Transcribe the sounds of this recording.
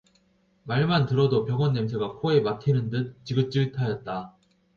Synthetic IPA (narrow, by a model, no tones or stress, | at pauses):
maɭmantɯɾʌdopjʌɡʌnːemsʰeɡakʰoe̞matʰinɯndɯnt͡ɕiɡɯt͡ɕ͈iɭtʰajʌt̚t͈a